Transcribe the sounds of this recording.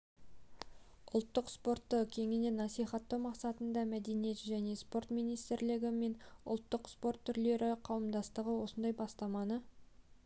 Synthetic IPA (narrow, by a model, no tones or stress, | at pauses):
ʊlˠt̪ːəqspo̞rt̪ːəkʲʰe̞ŋɪne̞nɑsijχɑt̪ːɑwmɑqsɑt̪ənd̪ɑmæd̪e̞nije̞t̪ʒæne̞spo̞rt̪mijnijst̪ɪɾlɪɡʲɪme̞nʊ̰lˠt̪ːəqspo̞rt̪ʰːʏɾle̞ɾɪqʰɑwəmd̪ɑst̪əʁəwo̞sənd̪ɑjbɑst̪ɑmɑnə